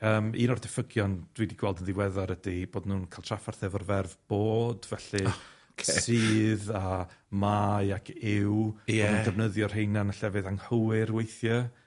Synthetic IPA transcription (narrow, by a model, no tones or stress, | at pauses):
əːmḭːnɔrdɪfəɡjɔnd̥wiːdiɡ̥wɛlˠdənðɪwɛðaɾədib̥oːdnuːnkʰalˠtʰrafarθɛvɔrvɛrvb̥oːd̥vɛɬɨ | kʰssɨːðamaɨakʰɪwdəvnəðjɔr̥hejnanaɬɛvɨðaŋhəwɪɾwejθjɔ